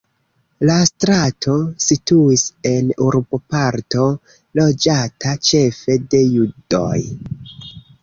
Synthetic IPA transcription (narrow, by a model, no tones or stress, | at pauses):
lastɾatʰo̞situise̞nuɾbo̞paɾto̞ | lo̞d͡ʒatat͡ʃe̞fe̞de̞judo̞̰j